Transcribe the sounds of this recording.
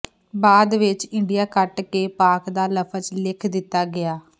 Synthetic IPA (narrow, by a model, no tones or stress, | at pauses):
baːd̪ʋɪt͡ʃɪɳɖijaːkəʈkeːpaːkd̪aːləpʰət͡ʃlɪkʰd̪ɪt̪ːaːɡɪaː